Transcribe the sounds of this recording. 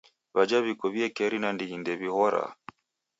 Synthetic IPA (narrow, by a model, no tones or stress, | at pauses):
βad͡ʒaβikɔβiɛkɛɾinandihindɛβihɔɾa̰